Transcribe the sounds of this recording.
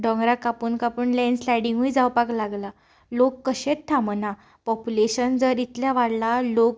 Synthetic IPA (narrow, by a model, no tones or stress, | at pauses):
ɖɔ̃ŋɡɾakapuːnkapuːnlɛ̃nslajɽiŋɡuid͡zawpaklaɡla | lokːəɕett̪ʰːaməna | pɔpuleɕənd͡zəɾit̪ljaʋaɽlalok̚